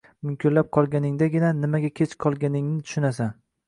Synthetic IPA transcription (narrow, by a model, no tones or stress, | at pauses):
mʊmkʲʰɪɾlap̚qʰɒlˠɡʲanɪŋd̪aɡʲɪnanɪmaɡʲakʲʰet͡ʃqʰɒlˠɡʲanɪŋnɪt̪ʰʊ̥ʃʊnasa